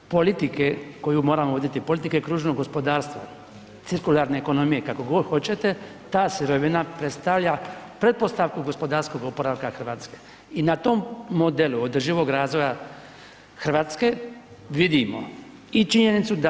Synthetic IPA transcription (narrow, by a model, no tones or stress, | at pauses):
po̞lit̪ike̞ko̞jumo̞ːɾamoʋod̪it̪ipo̞lit̪ike̞kɾuːʒnoɡo̞spo̞d̪aːɾst̪ʋa | t̪siɾkulaːɾne̞ːko̞no̞mijekako̞ɡoxo̞t͡ɕe̞t̪e̞ | t̪aːsiɾo̞ʋinapɾe̞t̪st̪aʋʎapɾe̞t̪̚po̞st̪aʋkuɡo̞spo̞d̪aːɾsko̞ɡopoɾalkaxr̩ʋaːt̪ske̥ | inat̪o̞mːod̪e̞luod̪r̩ʒiʋo̞ɡɾaːzʋo̞ja | xr̩ʋaːt̪ske̞ | ʋid̪imo̞̰ | it͡ʃiɲe̞nit̪sud̪a